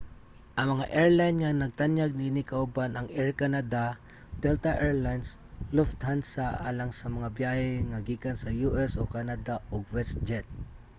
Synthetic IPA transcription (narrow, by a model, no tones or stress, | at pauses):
ʔɐŋmɐŋaʔɛɹlajnŋanɐɡ̚t̪anjaɡ̚ninɪkɐʔʊbanɐŋʔɛɹkanad̪a | d̪̥ɛlt̪aʔɛɹlajnsloft̪hansaʔa̰ːlaŋsɐmɐŋabjaːhɛŋɐɡiːkansɐjuʔɛsokanad̪aoɡwɛst̪̚d͡ʒɛt̪̚